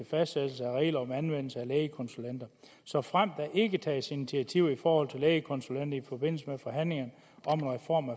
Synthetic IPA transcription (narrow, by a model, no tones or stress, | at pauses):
efæsd̥sed̥l̩s̬əæʁɛ̰ːlɐɒ̽mænʋen̰l̩səælɛːəkʰɒ̽nsulen̰d̥ɐ | sɒ̽fʁam̰d̥æʔe̝ɡ̥ət͡sʰɛ̰ːsinit͡sʰiæt͡sʰiʊ̰ifɒːhɒ̽l̰t͡sʰe̝leːɪəkʰɒ̽nsulen̰d̥ɐifɒ̽b̥e̝n̰l̩səmefɒ̽ɦæn̰le̝ŋɐnə | ɒ̽me̝nʁɛfɒ̰ːmæ